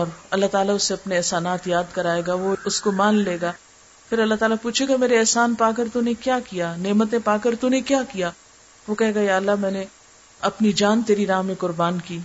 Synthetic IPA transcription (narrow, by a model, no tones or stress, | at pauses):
ɔːɾɐlːaɦt̪aːlaʊsːeɐpneɛːsaːnaːt̪jaːd̪kɐɾaːeːɡaʋoʊskomaːnleːɡaː | pʰɪɾɐlːaɦt̪aːlapuːt͡ʃʰeɡameːɾeɛːsaːnpaːk̬ɐɾt̪unẽkjaːkijaːneːmət̪̬ẽpaːkɐɾt̪unẽkjaːkijaː | ʋokɛɦeːɡajaːɐlːamɛ̃ːne | ɐpnid͡ʒaːnt̪eːɾiɾaːmekʊɾbaːnkiː